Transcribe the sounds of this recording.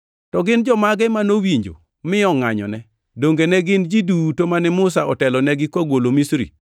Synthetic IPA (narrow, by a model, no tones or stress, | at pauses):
tɔɡɪnd͡ʒɔmaɡɛmanowiɲd͡ʒo̰ | mɪɔŋaɲɔ̰nɛ | doŋɡenɛɡɪnd͡ʒidutomanɛmʊs̬aɔtɛlɔnɛɡɪkwaɡwolomisɾḭ